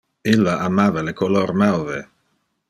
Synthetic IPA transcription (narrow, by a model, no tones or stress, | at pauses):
ilːaʔamaːvalekolormawve